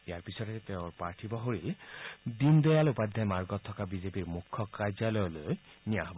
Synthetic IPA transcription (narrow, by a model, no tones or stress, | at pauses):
ijaɹpisɔtɛteʊ̃ɹpaɹtʰibɔɦoɹildindɔjalupad̪ʱːajmaɹɡɔt̪ʰːɔkabizepiɹmukʰːɔkajzalɔjɔloj | nijaɦɔbɔ